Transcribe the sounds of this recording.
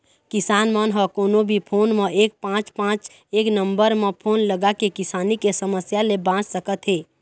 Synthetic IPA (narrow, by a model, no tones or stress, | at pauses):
kɪsaːnmənɦəkoːnobʱipʰoːnmeʔeːk̚pãːt͡ʃpãːt͡ʃ | eːknəmbəɾmepʰoːnləɡakekɪsaːnikesəməsjalebãːt͡ʃsəkət̪ɦeː